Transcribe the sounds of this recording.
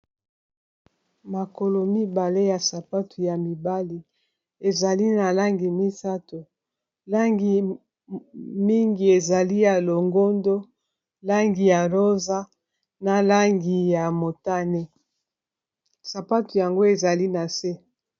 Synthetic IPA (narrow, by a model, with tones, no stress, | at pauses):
ma˨ko˨lo˨mi˦ba˨le˦ja˨sa˨pa˦tʰu˨ja˨mi˨ba˦li˨ | e˨za˨li˦na˨la˦ŋɡi˨mi˦sa˦to˨ | la˦ŋɡi˨ | mi˦ŋɡi˨e˨za˨li˦ja˨lo˨ŋɡo˦ndo˦ | la˦ŋɡi˨ja˨lo˦za˦ | na˨la˦ŋɡi˨ja˨mo˨ta˦ne˦ | sa˨pa˦tu˨ja˨ŋɡo˦e˨za˨li˦na˨se˦